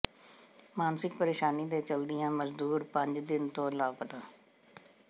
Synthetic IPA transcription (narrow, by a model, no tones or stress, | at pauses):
maːnsɪk̚pəɾeːʃaːniːd̪eːt͡ʃəld̪ɪjãːməzd̪uːɾpəɲd͡ʒd̪ɪnt̪õːlaːpət̪aː